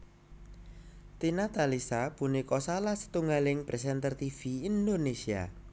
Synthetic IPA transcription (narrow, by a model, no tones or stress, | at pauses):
t̪inat̪alisapunikɔsalahsə̥t̪uŋɡalɪŋpɾɛs̬ɛnt̪ərt̪ifiind̪onesia̰